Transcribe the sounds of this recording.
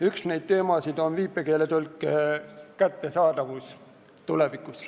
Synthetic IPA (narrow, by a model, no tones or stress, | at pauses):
yksne̞jd̪̥̚t̪e̞ːmɑsid̪o̞nviːpːˑeke̞ːlet̪ulkːˑ | kæt̪ːe̞sɑːd̪̥ɑvus | t̪ule̞vikːˑus